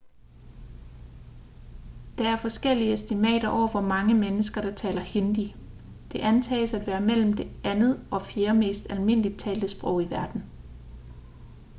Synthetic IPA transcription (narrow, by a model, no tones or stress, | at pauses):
d̥ɑ̈æɐfɒ̽sɡ̥el̰iəesd̥imɛ̰ːɾ̥ɐʔɒ̰ʊ̰ɐʋɒ̽mɑ̈ŋəmenəsɡ̥ɐɾ̥ɑ̈t͡sʰɛ̰ːlɐhe̝nd̥i | d̥e̝ʔænt͡sʰɛ̰ːsæd̥ʋæːɐmel̰m̩d̥e̝ʔænð̩ˠɒ̽fje̝ːɐme̝̰ːsd̥ælme̝n̰lid̥̚t͡sʰɛ̰ːld̥əsb̥ʁɔ̽ʊ̰iʋæɐd̥n̩